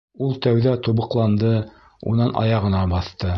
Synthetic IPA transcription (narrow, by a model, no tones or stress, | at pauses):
ulˠt̪æwðæt̪uβɤ̆qlˠɑnd̪ɤ | ṵnɑnʔɑ̰jɑʁɤ̆nɑbɑθt̪ɤ